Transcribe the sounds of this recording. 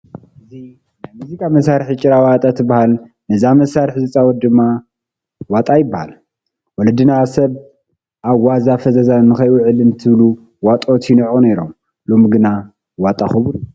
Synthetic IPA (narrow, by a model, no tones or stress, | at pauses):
ʔɨzinnajmuzikʼamɐsaɾħit͡ʃʼɪɾawat̪ʼat̪ʰɨbahal | nɨzamɐsaɾħzɨt͡sʼawɔt̪̚d̪ɨmːa | wat̪ʼajɪbːaha̰l | wɔlɐd̪ɨnasɐβ | ʔaβwazafɐzɐzanɨxɐjʔuʕɨlɨnt̪ʰɨβlu | wat̪ʼot̪ʰinɨʕuneɾo̞m | lo̞mɡɨna | wat̪ʼaxɨβɾu